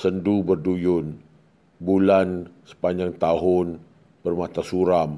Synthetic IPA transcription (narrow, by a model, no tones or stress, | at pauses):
səndubərdujʊn | bulansə̥paɲd͡ʒaŋt̪aɦʊn | bərmat̪asuɾam